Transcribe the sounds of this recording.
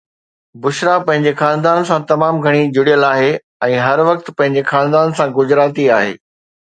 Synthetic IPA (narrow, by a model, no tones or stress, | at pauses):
bʊʃɾapɐ̃ɦɪ̃ɲd͡ʑexaːnd̪aːnsãt̪ɐmaːmɡʱɐɽ̃id͡ʑʊɽijəlaːɦe | ɛ̃ːɦɐɾʋɐk̚t̪̆pɐ̃ɦɪ̃ɲd͡ʑexaːnd̪aːnsãɡʊd͡ʑɾaːt̪iaːɦḛː